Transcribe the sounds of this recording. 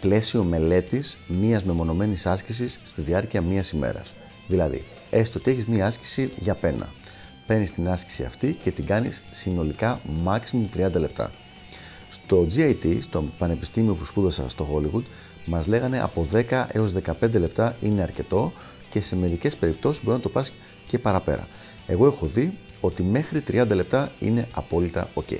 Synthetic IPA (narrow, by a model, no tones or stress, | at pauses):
ple̞sio̞me̞le̞t̪ismiɐzmemo̞no̞me̞nisɐscis̬isːt̪iðiɐɾciɐmiɐsime̞̰ɾɐ̰s | ðilɐðḭ | e̞sst̪o̞t̪ieçizmiɐɐsci̥siʝɐpe̞nɐ̰ | pe̞nist̪inɐsci̥siɐ̰ft̪ice̞t̪iɡɐnḭsːino̞likɐmɐksimut̪ɾiɐnd̪ɐle̞p̚t̪ɐ̰ | st̪o̞d͡ziɐjt̪ist̪o̞pɐne̞pi̥st̪imio̞puspuðɐsɐ̰st̪o̞xo̞liɣud̪ | mɐzle̞ɣɐne̞ʔɐ̰po̞ðe̞kɐʔe̞o̞zðe̞kɐpe̞nd̪e̞le̞p̚t̪ɐine̞ɐɾce̞t̪o̞ | ce̞se̞me̞ɾice̞spe̞ɾip̚t̪o̞sizboiznɐt̪o̞pɐs | ce̞pɐɾɐpe̞̰ɾɐ̰ | e̞ɣo̞e̞xo̞ði | o̞t̪ime̞xɾit̪ɾiɐnd̪ɐle̞p̚t̪ɐḭne̞ɐpo̞lit̪ɐ̰o̞ce̞̰i